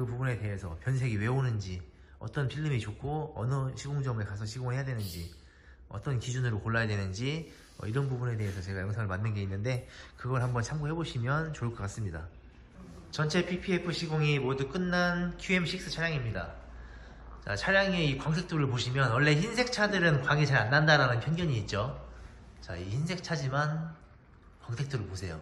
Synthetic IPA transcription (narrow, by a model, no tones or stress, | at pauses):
kɯpubune̞te̞ɦe̞sʰʌ̰pjʌnsʰe̞ɡiwe̞onɯnd͡ʑi | ʌ̰t͈ʌnpʰiɭːɯmit͡ɕokʰoʌ̰nɯɕʰiɡoŋd͡ʑʌmekasʰʌɕʰiɡoŋɦe̞jadwenɯnd͡ʑi | ʌ̰t͈ʌnkid͡ʑunɯɾokoɭːajadwe̞nɯnd͡ʑi | ʌ̰iɾʌnbubune̞de̞ɦe̞sʰʌt͡ɕe̞ɡajʌŋsʰaŋɯɭmanːɯnɡe̞inːɯnde̞kɯɡʌɭhambʌnt͡ɕʰamɡoɦe̞boɕʰimjʌnt͡ɕoɭk͈ʰʌk͈as͈ɯmɲida̰ | t͡ɕʌnt͡ɕʰe̞pʰipʰiepʰɯɕʰiɡoŋimoduk͈ɯnːankʰjue̞mɕʰik̚s͈ɯt͡ɕʰaɾjaŋimɲida̰ | t͡ɕa̰t͡ɕʰaɾjaŋeikwaŋsʰe̞k̚t͈oɾɯɭpoɕʰimjʌnwʌɭːe̞çinsʰe̞k̚t͡ɕʰadɯɾɯnkwaŋit͡ɕaɾanːandaɾanɯnpʰjʌnɡjʌɲiːt̚t͡ɕ͈o | t͡ɕa̰içinsʰe̞k̚t͡ɕʰad͡ʑiman | kwaŋsʰe̞k̚t͈ʰoɾɯɭposʰe̞jo̰